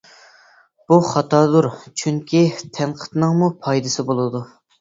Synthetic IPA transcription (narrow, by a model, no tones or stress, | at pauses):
b̥uχɑt̪ʰɑːd̪uɾt͡ʃʰyŋkʲit̪ʰɛnqʰə̥t̪nɨŋmupʰɑjd̪ɨsɨbolˠɨd̪u